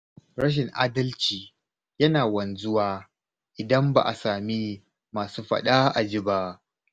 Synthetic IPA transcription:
ɾɐ˦ʃ̬ɪ˨ŋʔa̰ː˦dɐ˦lt͡ʃiː˨ | jɐ˦naː˨wɐ˨nzʊ˦waː˦ | ʔɪ˨dɐ˦mba̰˨ʔa̰˨saː˨mi˦ | maː˨suː˦ɸɐ̰˦ɗa˦ʔa˨d͡ʒi˦ba˦ʔ

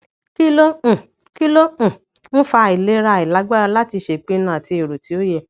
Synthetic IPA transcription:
ki˦lõ˦˨ | ki˦lõ˦˨ | ñ̩˦fa˧˨i˨le˨˦ɾa˧˨i˨la˨˦ɡ͡ba˦ɔ˧la˦ti˧ʃe˨k͡pe˦nã˦˨ti˧˦e˨ɾo˨ti˨˦o˦je˧˨

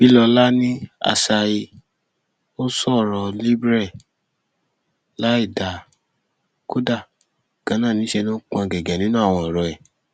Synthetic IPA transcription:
b̥i˨˦lɔ˧la˦nĩ˦a̰˧sa˧i˧ | o˦sɔ˦˨ɾɔ˧li˦bɾɛ˦˨ | la˨˦i˦˨da˨ | ko˦da˦˨ | ɡ̥ã˨˦nãː˦˨nĩ˨˦ʃe˧nũ˦k͡pũ˦˧a˧ɡɛ˨ɡɛ˨nĩ˨˦nũ˦a˦˨w̃ɔ̃˧˨ɔ˨ɾɔ˧ɛ˨

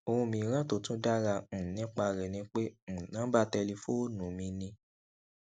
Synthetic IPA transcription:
o˧hũ˧mĩ˧˦˧ɾ̃ã˦to˦˨tũ˦da˦ɾã˧˨nĩ˨˦k͡pa˧ɾɛ˨nĩ˧˦k͡pẽ˦˨nã˨˦ba˦tɛ˧li˧fo˦o˦nũ˨mĩ˧nĩ˧

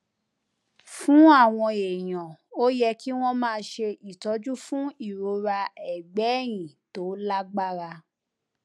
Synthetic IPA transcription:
fũ˨˦a˦˨w̃ɔ̃˧e˨j̃ɔ̃˨o˦jɛ˧ki˦w̃ɔ̃˦mãː˦˧ʃe˧ʔi˨tɔ˨˦d͡ʒu˦fũ˦i˦˨ɾo˨˧ɾa˧ɛ˨ɡ͡bɛ˨˦˨j̃ĩ˨to˨˦la˦ɡ͡ba˦ɾa˧

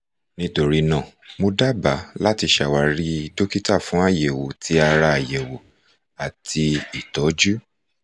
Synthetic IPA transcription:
nĩ˧to˨ɾi˧nã˦˨mo˧da˦ba˨˦la˦ti˧ʃa˨wa˧ɾi˦˧do˦ki˦ta˦˨fũ˨˦a˦˨je˨wo˨tʰi˨˦a˧ɾa˧a˨je˨wo˨ | a˨tʰi˧i˦˨tɔ˨˦d͡ʒu˦

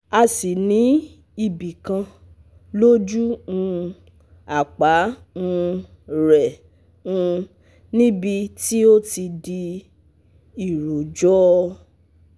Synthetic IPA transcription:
a˧si˨nĩ˨˦ | i˦˨bi˨kã˧ | lo˦d͡ʒu˦ũ˦˧ | a˨k͡pa˨˦ | ũ˧ | ɾɛ˨ | ũ˧ | nĩ˦bi˧ti˦o˦ti˧di˧ | i˨ɾo˨d͡ʒɔ˦˧

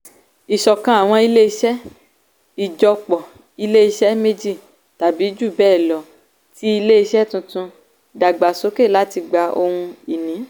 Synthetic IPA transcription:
i˨ʃɔ˨kã˧a˨w̃ɔ̃˧i˧le˦i˧ʃɛ˦ | i˨d͡ʒɔ˧k͡pɔ˨ | i˧le˦i˧ʃɛ˦me˦d͡ʒi˦˨ | ta˨bi˨˦d͡ʒu˦˨bɛː˦˨lɔ˨ | ti˦i˧le˦i˧ʃɛ˦tũ˧tũ˧ | da˨ɡ͡ba˨so˨˦ke˦˨la˦ti˧ɡ͡ba˧o˧hũ˧i˨nĩ˨˦

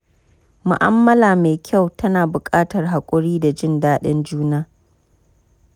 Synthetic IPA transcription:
mʊ̰˨ʔa̰˦mːɐ˦laː˨me˨kʲʰa˦˨wtɐ˦naː˨bʊ˨kʼaː˦tɐ˨rɦa˨kʷʼʊ˦ɽiː˦da˨d͡ʒɪ˦ndaː˦ɗɪ˦nd͡ʒuː˦naː˦

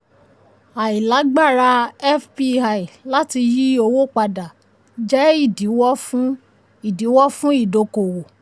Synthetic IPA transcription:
a˨i˨la˨˦ɡ͡ba˦˨ɾa˧ɛ˦fpi˧a˨i˨la˦ti˧ji˦o˧wo˦˨k͡pa˧da˨ | d͡ʒɛ˦i˦˨di˨˦wɔ˦f | i˦˨di˨˦wɔ˦fũ˦i˦˨do˨˧ko˨wo˨

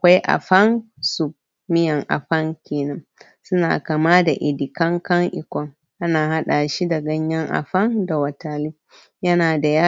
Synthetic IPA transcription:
ʔa˨kʷa˦jʔa̰˨ɸɐ˦ŋ | su˨b̚ | mɪ˦jɐ˨ŋʔa̰˨ɸɐ˦ŋkʲeː˨nɐ˦ŋ | sʊ˦na̰ː˨ka˨ma˦da˨ʔɪ˨di˨kɐ˦ŋkɐ˦ŋʔɪ˨kʷɔ˨ŋ | ʔa˦naː˨ha˦ɗa˨ʃi˦dɐ˨ɡɐ˦ɲjɐ˦ŋʔa̰˨ɸɐ˦ŋda˨wɐ˨taː˨li˦ | jɐ˦naː˨da˨jaː˦

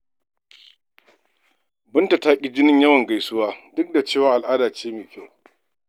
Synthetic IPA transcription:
bʊ˦nta˨taː˦kʲʼi˦d͡ʒɪ˦nɪ˦ɲjɐ˦wɐ˨ŋɡa˨jsʊ˦waː˦dʊ˦k̚da˨t͡ʃeː˦˨waː˨ʔa˨lʔaː˦daː˨t͡ʃeː˦meː˨kʲa˦w

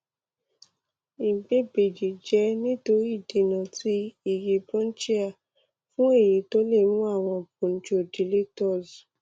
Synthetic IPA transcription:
i˨ɡ͡be˦be˨d͡ʒi˨d͡ʒɛ˨˦nĩ˦to˧ɾi˦˨de˧˦˨nã˨ti˦i˨ɾi˨bɾɔ̃˦n̩˦t͡ʃi˦a˦˨ | fũ˦e˦˨ji˨˦to˦le˦˨nũ˦a˦˨w̃ɔ̃˧b̚ũ˨n̩˦d͡ʒo˦˨di˨le˦tɔ˦˨z

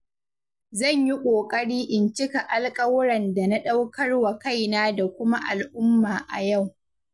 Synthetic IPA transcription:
zɐ˦˨ɲji˦kʷʼoː˨kʼɐ˦ɽiː˦ʔɪ˨nt͡ʃɪ˦ka˨ʔa˨lkʼɐ˦wɾɐ˨nda˨na˦ɗa˦wkɐ˦rwa˨ka˦˨jnaː˦da˨kʷʊ˦ma˦ʔa˨lʔʊ˦mːaː˨ʔa̰˨ja˦˨w

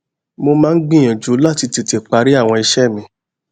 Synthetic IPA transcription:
mo˧mãː˦˧n̩˦ɡ͡bĩ˦˨j̃ã˨d͡ʒu˨˦la˦˨ti˧ti˨˧te˨k͡pa˨˧ɾi˦a˦˨w̃ɔ̃˧i˧ʃɛ˦˨mĩ˧˦

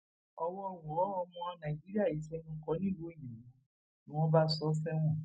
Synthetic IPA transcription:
ɔ˧wɔ˦˨w̃ɔ˨˦ɔ˧mɔ̃˧nã˨d͡ʒi˨˦ɾi˦a˦˨i˨˦ʃɛ˦nũ˦kɔ˦nĩ˦˨wo˦i˦˨nĩ˨mɔ̃˨˦˨ | nĩ˦w̃ɔ̃˦ba˦sɔ˦fɛ˦w̃ɔ̃˦˨

